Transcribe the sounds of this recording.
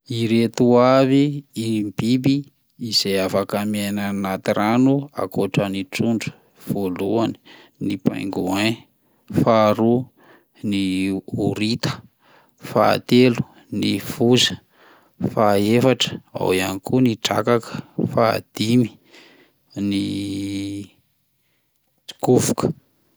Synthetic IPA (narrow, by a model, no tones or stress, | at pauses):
iɾet̪uaviimbibiː | z̥ejafakamenanat̪iranua̰koʈ͡ʂənit͡suɳɖ͡ʐu̥ | v̥oluani̥ | nipa̰jŋɡuan | faɾu | niuɾit̪ə̥ | fa̰t̪elu̥ | nifuzə̥ | faefaʈ͡ʂə̥a̰wianikuniʈ͡ʂa̰kakə̥fa̰ːd̪̥imi̥ | ni | t͡si̥kuvukə̥